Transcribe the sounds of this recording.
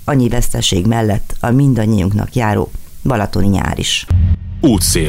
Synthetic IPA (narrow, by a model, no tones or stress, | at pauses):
ɒɲːivɛst̪ɛʃeːɡmɛlːɛt̪ːɒmind̪ɒɲːiuŋknɒ̰kjaːɾo̰ː | bɒlɒt̪o̞niɲa̰ːɾḭʃ | uːt̪seː